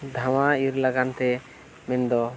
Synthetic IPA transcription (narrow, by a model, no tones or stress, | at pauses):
d̪ʱawaiɾlaɡant̪ɛ | mɛnd̪ɔ